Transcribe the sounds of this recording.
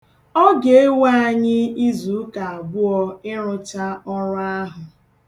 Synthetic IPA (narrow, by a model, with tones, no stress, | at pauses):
ɔ˦ɡe˨e˦wa˦a˦˨ɲɪ˦i˦zu˨˦ka˨a˨bʊ˦ɔ˦ɪ˦ɾʊ˦t͡ʃa˦ɔ˦ɾa˦ɦʊ˨